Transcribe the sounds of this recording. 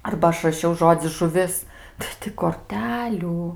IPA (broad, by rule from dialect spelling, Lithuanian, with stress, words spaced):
ɐrbɐ ˈɐʃ rɐˈʃʲɛʊ ˈʒoːd͡zʲɪ ʒʊˈʋʲɪs tɐɪ ˈtʲɪ koːrʲˈtʲæːlʲuː